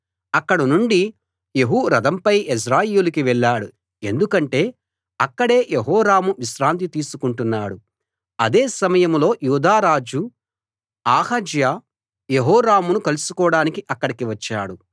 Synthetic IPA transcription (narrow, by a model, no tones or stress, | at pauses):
ɐkːɐɽɐnuɳɖi | jeɦuɾɐd̪ɐmpɐjes̬ɾaːjjulukiʋɛɭːaːɽu | e̞̰nd̪ukɐɳʈe̞ː | ɐkːɐɽe̞ːjeɦɔːɾaːmuʋiʃɾaːnt̪̬it̪iːsukuɳʈunːaːɽu | ɐd̪e̞ːsɐmɐjɐmlo̞ːjuːd̪aːɾaːd͡ʒu | aːhɐd͡ʒja | jeɦɔːɾaːmunukɐlusukɔːɽaːnikiʔɐkːɐɽikiʋɐt͡ʃːa̰ːɽu